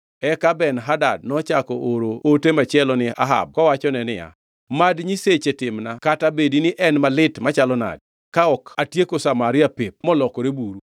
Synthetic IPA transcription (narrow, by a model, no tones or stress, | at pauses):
ɛkabɛnɦadad̚nɔt͡ʃakɔʔoɾootemat͡ʃɪɛlɔnɪa̰ɦa̰b̚kɔwat͡ʃɔnɛnɪja̰ | madɲiset͡ʃetɪmnakatabedinɪʔɛnmalɪtmat͡ʃalɔna̰d̚ | kaɔkatjekosamaɾɪapep̚mɔlɔkɔɾebuɾu